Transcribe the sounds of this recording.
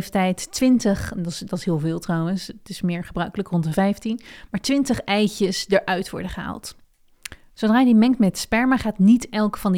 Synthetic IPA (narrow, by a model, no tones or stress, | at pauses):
ftɛjtːʋɪntəχddɑtɪsɦɪːlˠvɪːlˠtrɑwənstɪsmɪːɹχəbrœɥkələkrɔntəvɛjftinmaːɹtʋɪntəχɛjcəsdəɹʔœɥtʋɔ̰ɹdəχəɦa̰ːlˠt | sowdraːjdimɛŋktmɛtspɛɹməχaːtnitɛlˠkfɑnd